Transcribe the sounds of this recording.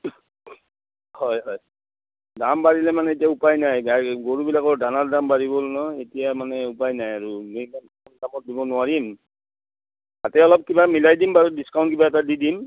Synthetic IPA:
hɔjɦɔj | dambaɹilɛmanɛet̬iaupajnajɡaɡoɹubilakɔɹdanaldambaɹibolnɔetijamanɛupajnajaɹumojman | ɔnkamɔt̚dibɔnʊaɹim | tatɛɔlɔp̚kibamilajdimbaɹudiskaw̃ntk̬ibaɛtadidim

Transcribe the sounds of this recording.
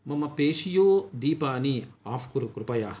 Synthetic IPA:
mɐmɐpeːʂijoːd̪iːpaːniaːfkuɾukɾupɐjaː

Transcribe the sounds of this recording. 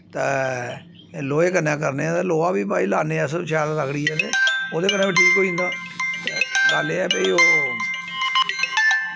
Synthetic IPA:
t̪aː | loːeːkənːãːkəɾneːɛ̃ːt̪aloːaːbiːpaːiːlaːneːsʃɛːlɾəkɽiːɛːt̪eːoːd̪eːkənːãːbiʈʰiːkːoːĩnd̪aː | t̪ḛːɡaːleːɛːpəiːoː

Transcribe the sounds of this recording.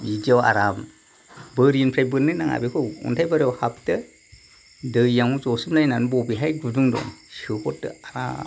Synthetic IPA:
id͡ʒiawa̰ɾam | bɯɾiɯnpʰɾajbɯnːɯnaŋa̰bekʰɔṵntʰajbaɾawhap̚tɯ | dɯjaŋuzɔsɯmlajnanbɔbiɦajɡuduŋdɔ̰nsɯkʰɔt̚dɯ̰aɾa̰

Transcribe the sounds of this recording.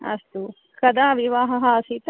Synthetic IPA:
ɐ̰st̪u | kɐd̪aːʋiʋaːɦɐɦɐɐsit̪

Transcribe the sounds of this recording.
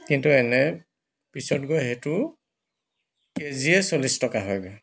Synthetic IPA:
kintuɛnɛ | pisɔtɡɔjɦetʊ | keziɛsolistɔkaɦɔjɡɔj

